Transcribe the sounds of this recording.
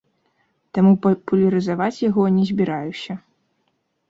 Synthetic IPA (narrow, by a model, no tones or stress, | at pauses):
t̪amuppulʲɐɾɨzavat͡sʲjaɣɔnʲɛzʲbʲiɾajusʲɐ